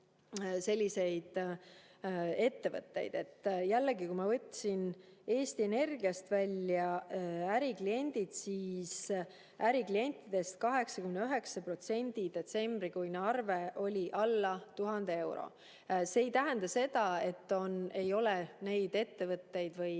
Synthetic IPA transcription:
se̞lʲːise̞jd̪̥ | e̞t̪ːe̞vɤ̰t̪ːe̞̰jd̪̥e̞t̪ːjælːeɡikujmɑvɤt̪ʲsin | e̞ːst̪ie̞ne̞rɡiɑst̪vælʲːjɑæɾiklie̞nʲd̪̥id̪̥siːs | æɾiklie̞nʲt̪ːˑid̪̥e̞st̪̚kɑɦe̞ksɑkymneyɦe̞ksɑpro̞t̪se̞nʲd̪̥id̪̥e̞t̪se̞mbɾikujnɑrve̞ʔo̞lʲiʔɑlːɑt̪uɦɑnd̪e̞e̞wɾo̞̰ | se̞ːjt̪æɦend̪̥ɑse̞d̪ɑe̞t̪ːo̞ne̞jo̞lene̞jd̪̥e̞t̪ːe̞vɤt̪ːe̞jd̪vɤj

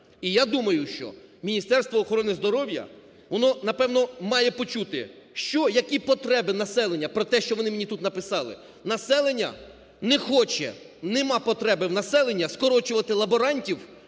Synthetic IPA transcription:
ijad̪umɐjʊʃt͡ʃɔ̰mʲinʲist̪ɛrst̪ʋɔːxɔɾɔnɪzd̪ɔɾɔwjɐ̰ | ʋɔnɔnɐpɛwnɔmɑjɛpɔt͡ʃut̪ɪʃt͡ʃɔjɐkʲipɔt̪ɾɛbɪnɐsɛlˠenʲːɐpɾɔt̪ɛʃt͡ʃɔʋɔnɪmenʲit̪ut̪nɐpɪsɑlˠɪ̰ | nɐsɛlˠenʲːɐ̰ | nɛxɔt͡ʃɛ̰ | nɛmɑpɔt̪ɾɛbɪwnɐsɛlˠenʲːɐskɔɾɔt͡ʃʊʋɐt̪ɪlˠɐbɔɾɑnʲtʲiw

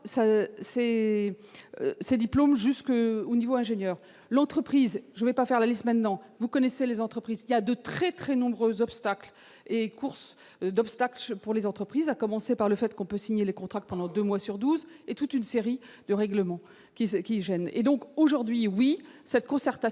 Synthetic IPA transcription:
sasɛ | sed̪iplomʒyskonivoɛ̃ʒeɲjœːʁ | lɑ̃t̪χəpχizʒəvɛpafɛʁlalist̪mɛ̃t̪nɑ̃vukɔnɛselezɑ̃t̪χəpχiziljad̪ət̪χɛt̪χɛnɔ̃bʁøzɔpst̪akl | ekʰuʁs | d̪ɔpst̪aklpuʁlezɑ̃t̪χəpχizakɔmɑ̃sepaʁləfɛt̪kɔ̃pøsiɲelekɔ̃t̪χakt̪̚pɑ̃d̪ɑ̃d̪ømwasyʁd̪uzet̪ut̪ynseʁi | d̪əʁɛɡləmɑ̃ | kʲikʲiʒɛnḛd̪ɔ̃koʒuʁd̪ɥiwisɛt̪kɔ̃sɛʁt̪a

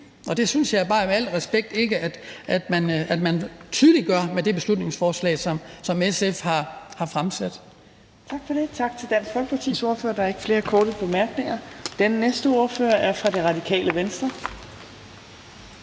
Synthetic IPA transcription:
ʔɒ̽d̥e̝synsjɑ̈ɪb̥ɑ̈ːmeæl̰ʁɛsb̥eɡ̥̚d̥e̝ɡ̥əæd̥ʔæd̥mænæd̥mænt͡sʰyːð̞ˠliɡ̥ɶɐ̰med̥e̝b̥e̝slud̥ne̝ŋsfɒːslɛ̰ːsɒ̽msɒ̽mesefhɑ̈hɑ̈fʁamsæd̥ | t͡sʰɑ̈ɡ̥fɒde̝t͡sʰɑ̈ɡ̥t͡sʰe̝ld̥æn̰sfɒ̽lɡ̥̚pʰɑt͡sʰḭnso̝ɐfø̰ːɐdɑ̈æɐe̝ɡ̥ə̥fle̝ːɐkʰɔːɾ̥əpʰɒmæɐɡ̥ne̝ŋɐd̥enənesd̥əo̝ɐfø̰ːɐæɐfʁɑ̈de̝ʁɑ̈dikʰɛ̰ːləʋensd̥ɐ

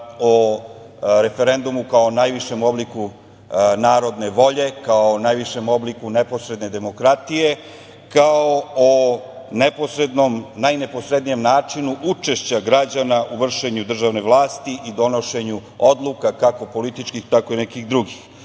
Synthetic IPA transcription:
o | ɾe̞feɾend̪umukaonajʋiʃe̞mo̞bliku | naːɾo̞d̪ne̞ʋo̞ʎe̞kaonajʋiʃe̞mo̞blikunepo̞sɾed̪ne̞d̪e̞mo̞kɾat̪ije̞ | kaoo | neposɾed̪nomnajnepo̞sɾed̪nijemnaːt͡ʂinuʔut͡ʂe̞ʃt͡ɕaɡɾad͡ʑanaʔuʋr̩ʃe̞ɲud̪r̩ʒaʋne̞ʋlˠaːst̪iʔid̪o̞no̞ʃe̞ɲuod̪lˠukakakopo̞lit̪it͡ʃkixt̪ako̞inɛkiɣd̪ɾuɡix

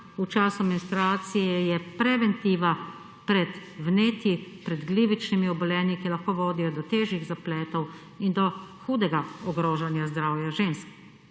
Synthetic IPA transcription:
ut͡ʃaːsuaminst̪ɾaːt̪sijɛjɛpɾɛʋɛnt̪iʋa | pɾɛt̪wneːt̪jipɾɛd̪ɡliːʋit͡ʃnimiɔbɔlɛːnikilaxkoːʋoːd̪ijɔd̪ɔt̪eːʒiɣzaplɛːt̪ɔw | ind̪ɔxuːd̪ɛɡaɔɡɾoːʒanjazd̪ɾaːwjaʒeːnsk

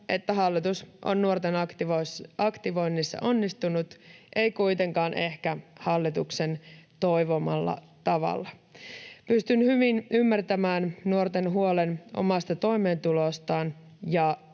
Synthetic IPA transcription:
ʔe̞t̪ːæɦɑlːit̪usʔo̰nːuort̪eniɑkt̪iʋo̞jnːisːɑ̰ʔo̞nːist̪unut̪ʔe̞jkujt̪e̞ŋkɑːnʔe̞hkæhɑlːit̪ukse̞nt̪o̞jʋomɑ̰lːɑ̰ | t̪ɑʋɑ̰lːɑ | pyst̪ynhyʋinʔymːært̪æmæːnnuo̞rt̪e̞nɦuolenʔo̞̰mɑst̪ɑt̪o̞ime̞ːnt̪ulo̞st̪ɑːn | jɑ

